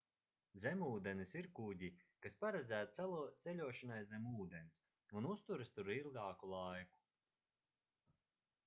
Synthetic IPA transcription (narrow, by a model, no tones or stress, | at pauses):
zʲemuːd̪enisiɾkuɟʲikaspaɾɛd̪zæːt̪t̪t̪selʲuɔʃanajzemuːd̪ens | unust̪uɾɨst̪uɾilˠɡaːkulˠajku̥